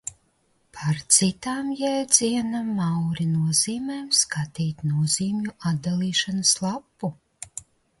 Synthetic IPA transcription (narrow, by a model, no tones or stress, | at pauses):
pʰaɾt̪sit̪aːmjɛd̪ziɛnamːawɾinuɔziːmɛjmskat̪iːt̪nuɔziːmʲjuʔad̪d̪alˠiːʃanaslˠapːu